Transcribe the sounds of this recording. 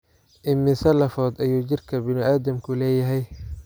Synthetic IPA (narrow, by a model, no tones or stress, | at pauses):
ʔɪmːɪsɐlɐfɔːd̪ɐjuːt͡ʃɪrkʰɐbɪnɪʔaːd̪ɐmkʰʊlɛːjɐɦɛj